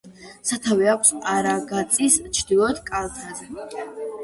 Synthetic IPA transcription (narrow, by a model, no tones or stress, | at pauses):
sat̪ʰavɛakʷʰsaɾaɡat̪sʼist͡ʃʰd̪ilˠɔt̪ʰkʼalˠt̪ʰazɛ